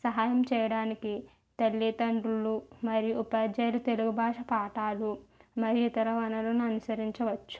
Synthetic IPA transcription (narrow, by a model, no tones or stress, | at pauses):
sɐɦaːjɐmt͡ʃɛːjɐɽaːniki | t̪ɐlːit̪ɐɳɖulːumɐɾijuʔupɐːɐd͡ʒɐjɐlut̪e̞luɡubʱaːʂɐpaːʈaːlumɐɾijuit̪ɐɾɐʋɐnɐloːnuɐnusɐɾiɲt͡ʃɐʋɐt͡ʃːu̥